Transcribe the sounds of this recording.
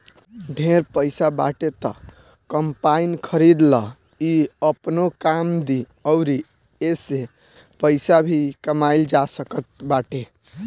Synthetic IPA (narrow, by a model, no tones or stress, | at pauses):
ɖʱeɾpəɪsaba̰ʈet̪ɔ | kəmpainkʰəɾid̪lə | iəpnokamd̪i | əʊɾi | ese | pəɪsabʱikəmaɪld͡ʒasəkət̪̚baʈe